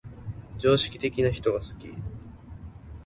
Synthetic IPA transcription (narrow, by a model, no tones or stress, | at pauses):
d͡ʑo̞ːɕi̥kʲi̥t̪e̞kʲinaçi̥t̪o̞ɡasɨ̥kʲḭ